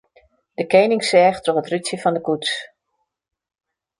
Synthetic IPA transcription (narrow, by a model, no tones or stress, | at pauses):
d̥əkeːnɪŋsɛːxtroχətrytsjəfɔndəkuts